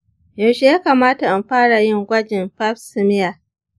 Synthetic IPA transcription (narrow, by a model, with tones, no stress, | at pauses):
ja˨ʃe˦jaː˦kaː˨maː˦ta˨ʔa˨mɸaː˦ɽa˨jɪ˦ŋɡʷɐ˦d͡ʒɪ˨mɸa˦ɸsɪ˨mɪ˦ja˨